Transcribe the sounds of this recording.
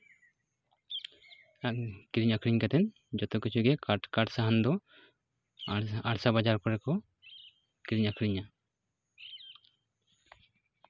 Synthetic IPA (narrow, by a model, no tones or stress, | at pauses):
aʔkiɾiɲakʰɾiɲkat̪ɛn | d͡ʒɔt̪ɔkit͡ʃʰuɡɛkaʈkaʈsaɦand̪ɔ | aɽsabad͡ʒaɾkɔɾɛkɔ | kiɾiɲakʰɾiɲa